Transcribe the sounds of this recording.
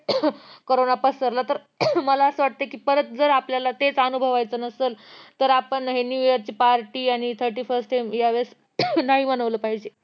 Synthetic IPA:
koɾonapəsəɾlat̪əɾ | məlaəsəʋaʈ̚t̪əkiːpəɾət̪̚d͡zəɾapljalat̪et͡sənubʱəʋajt͡sənəsəlt̪əɾapəɳɦenjujəɾt͡ɕiːpaɾʈiːaɽ̃it̪ʰəɾʈiːfəɾsʈajmjaʋeɾs | naɦimənəʋləpaɦid͡ʑe

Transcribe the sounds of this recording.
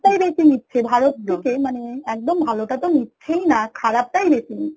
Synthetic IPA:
ʈajɾesiŋit̪ʰːʃʰebʱaɾot̪̚t̪ʰekemaneɛk̚d̪ombʱaloʈat̪omit̪ːɕʰejnakʰaɾap̚ʈajbesiŋ

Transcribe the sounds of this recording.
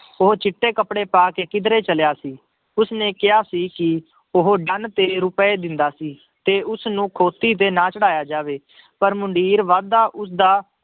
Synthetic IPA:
ʊɦot͡ʃɪʈːeːkəpɽeːpaːkeːkɪd̪ɾeːt͡ʃəljaːsiː | ʊsnẽːkɪjaːsiːkɪ | ʊɦoɖənt̪eːɾʊpeːd̪ɪnd̪aːsiː | t̪eːʔʊsnũːkʰoːt̪iːt̪̬eːnaːt͡ʃəɽaːjaːd͡ʒaːʋeː | pəɾmʊɳɖiːɾʋaːd̪aːʔʊs̬d̪aː

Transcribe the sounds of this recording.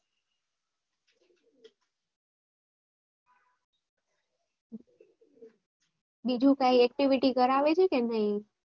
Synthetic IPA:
bid͡ʒʱũkaiɛk̚ʈiʋiʈikəɾaʋet͡ʃʰekenaɦĩ

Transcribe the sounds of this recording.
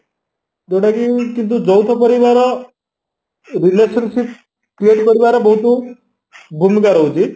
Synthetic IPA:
d̪oɽakikint̪̬ud͡zəwt̪ʰəpəɾiʋaɾə | ɾileɕənɕip̚ | kieʈpəɾiʋaɾəbəɦut̪u | bʱumikaɾəwd͡ʑi

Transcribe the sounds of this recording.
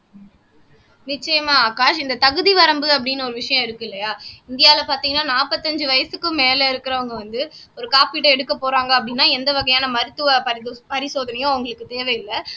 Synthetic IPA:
nɪt͡ʃːɐjɐmaːaːkaːʂɪnd̪ɐt̪ɐɣɯðiʋɐɾɐmbɯɐp̬ːɐɽɪnːɯɔɾɯʋɪʂɐjɐ̃ɪɾɯkːɪlːɐjaːɪnd̪ɪjaːɪlɐpaːɾt̪iːŋɡɐnːaːnaːpɐt̪ːɐɲd͡ʒɯʋɐjɐsɯkːɯmeːlɐɪɾɯkːɪɾɐʋɐŋɡɐʋɐnd̪ɯɔɾɯkaːpiʈːɐɛɽɯkːɐpːoːɾaːŋɡɐɐp̬ːɐɽɪnːaːɛnd̪ɐʋɐɣɐjaːnɐmɐɾɯt̪ːɯʋɐpɐɾpɐɾɪsoːðɐnɐjõːɐʋɐŋɡɐɭɯkːɯt̪eːʋɐjɪlːɐ

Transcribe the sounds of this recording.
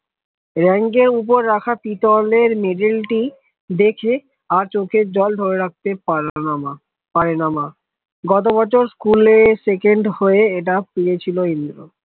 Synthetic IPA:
ɾɛŋɡeɾup̬oɾːakʰatit̪ɔleɾmeɖilʈi | d̪ekʰe | aɾt͡ɕokʰed͡ʑɔld̪ʱoɾeɾak̚t̪e | paɾenama | ɡɔt̪̬obɔt͡ɕʰoɾskulesekeɳɖhoeeʈ̬apiɾet͡ɕʰiloind̪ɾo

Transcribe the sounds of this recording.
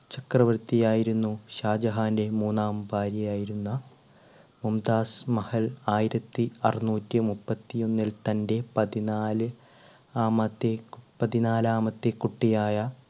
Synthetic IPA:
t͡ɕɐkrɐʋɐɾt̪ijaːjiɾunːuɕaːd͡ʑɐɦaːnde̞muːnːaːmbaːɾjɐjaːjiɾunːɐ | mumd̪aːsmɐhɐlaːjiɾɐt̪ːiɐrinuːtːɨmupːɐt̪ːijo̞nːilt̪ɐnde̞pɐðinaːlɨ | aːmɐt̪ːepɐðinaːlaːmɐt̪ːekːuʈːijaːjɐ

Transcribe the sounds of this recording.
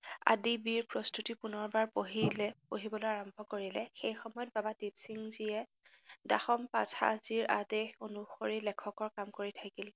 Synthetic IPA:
a̰dibiɹpɹɔstutipunɔɹbaɹpoɦilɛpoɦibɔlojaɹɔmbʱɔkoɹilɛxejxɔmɔjɔt̚babatipsiŋzijɛ | daxɔmpa̰za̰ziɹa̰dexonuxoɹilɛkʰɔkɔɹkamkoɹitʰakil

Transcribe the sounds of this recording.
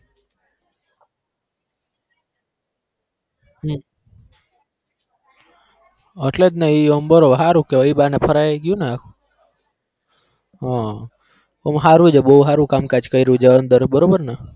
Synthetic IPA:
əʈlet̪naiəmbəɾoɦaɾũkeʋəibanepʰəɾajɡjũneakʰu | ɦã | omɦaɾũd͡ʒebəɦuɦaɾũkamkat͡ʃkəiɾũd͡ʒeənd̪əɾbəɾobəɾna

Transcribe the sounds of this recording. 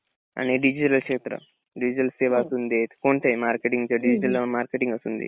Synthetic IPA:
ɐ̰neɖid͡ʒiʈɐlkʂeːt̪ɾɐ̰ | ɖid͡ʒiʈɐlseʋaːsund̪eːt̪koɳʈejmaːɾkeʈiŋɡt͡ʃɐɖid͡ʒiʈɐlmaːɾkeʈiŋɡɐst̪und̪ḭ

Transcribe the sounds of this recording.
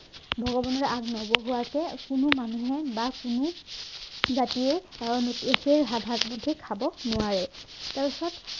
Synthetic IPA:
bʱɔɡɔbɔnɔɹaɡnɔɡɔɦuwakɛkʊnʊmanuɦɛbakunu | zatiɛaɔnutexeɹɦabʱakbudʱːikʰabɔnʊaɹɛtaɹpisɔt

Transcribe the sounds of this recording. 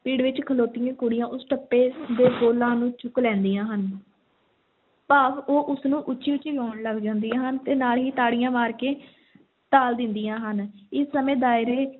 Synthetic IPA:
piːɽʋɪt͡ʃkʰəloːt̪ɪjãːkʊɽɪjãːʔʊsʈəpːeːd̪eːɡoːlãːnũːt͡ʃʰʊklɛ̃ːnd̪ijãːɦən | paːpoːʔʊsnũːʔʊt͡ʃːʃʰiːʊt͡ʃiɡaːɳləɡd͡ʒãːnd̪ijãːɦənt̪eːnaːlɦiːt̪aːɽijãːmaːɾkeː | t̪aːld̪ɪnd̪ijãːɦənɪsːəmẽːd̪aːɪɾeː

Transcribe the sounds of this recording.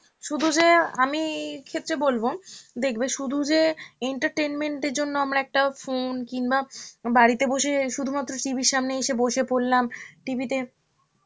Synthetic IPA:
ʃud̪ʱud͡ʑeamikʰet̪ːɾebolbod̪ekʰbeʃud̪ʱud͡ʑeeɳʈaɾʈejnmeɳʈeɾd͡ʑonːoamɾaɛk̚ʈafonkiŋbabaɽit̪eboʃeʃud̪ʱumat̪ːɾoʈibʱiɾʃamneeʃeboʃepoɽlamʈibit̪e

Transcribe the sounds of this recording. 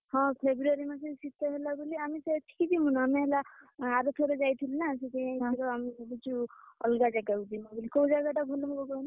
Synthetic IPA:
hɔ̃pʰebɾaɾimasesit̪ɔɦelabuliamiseʈʰi̥kid̪imunaːmeɦelaaɾɔt̪ʰɔɾed͡ʒajt̪ʰilunaset̪ejãit̪ʰiɾoamibit͡ʃuɔ̰lɡad͡ʒaɡawd̪imabulikoud͡ʒaɡaʈaɡʱolɔmkɔɡɔna

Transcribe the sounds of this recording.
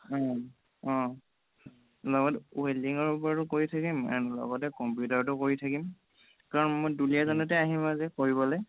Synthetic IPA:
ɔ̃ | ɔ̃ | lɔɡɔtueliŋɔɹupɔɹatʊkoɹitʰakima̰nlɔ̰ɡɔtɛkɔmpjutaɹtʊkoɹitʰakim | kaɹɔnmojdulijazɔnɔtɛaɦimazɛkoɹibɔlɔj

